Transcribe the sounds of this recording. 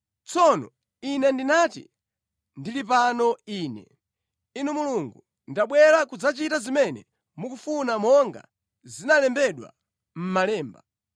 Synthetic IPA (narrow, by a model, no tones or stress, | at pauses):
t͡sɔnɔ̰ | inɛndinatḭ | ndilipanɔiːnɛ̰ | inumuluŋɡu | ndaɓwɛɾakud͡zat͡ʃitazimɛnɛ | mukufunamɔŋɡa̰ | zinalɛmbɛɗwa̰ | m̩malɛːmba